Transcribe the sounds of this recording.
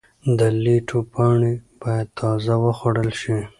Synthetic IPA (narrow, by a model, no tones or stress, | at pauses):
d̪əliʈʰopʰɑɳib̥ɑjad̪̚t̪ʰɑzawəxwoɽəlʃi